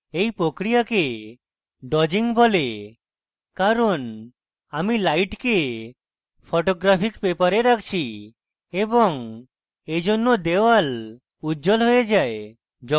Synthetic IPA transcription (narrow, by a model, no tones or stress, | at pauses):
ejpɾokɾijake | ɖɔd͡ʒiŋbʱɔle | kaɾɔn | amilajʈke | pʰoʈoɡɾapʰikpepaɾeɾakʰt͡ʃʰi | ebɔŋ | ed͡ʒonːod̪ewal | ud͡ʒɔlɦojed͡ʒae | d͡ʒɔ